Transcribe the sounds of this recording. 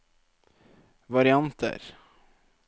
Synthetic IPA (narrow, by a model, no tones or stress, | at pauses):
vaɾɪant̪ʰə̰ɾ